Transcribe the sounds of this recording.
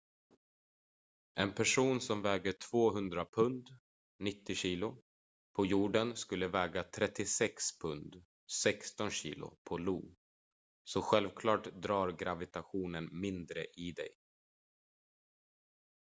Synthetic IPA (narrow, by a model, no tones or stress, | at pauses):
ʔɛnpʰæʂuːnsɔmvɛːɡəʈʰv̥oːɦɵnd̪ɾapʰɵnd̪ | nɪt̪ːɪɕiːlʊ | pʰɔjuːɖənskɵlːəvɛːɡat̪ʰɾɛt̪ːɪsɛkspʰɵnd̪ | sɛkst̪ɔnɕḭːlʊ̰pʰɔluː | sɔɧɛlvkʰlɑːʈd̪ɾɑːɾɡɾavɪt̪aɧuːnənmɪnd̪ɾə̰ʔɪd̪ɛ̰j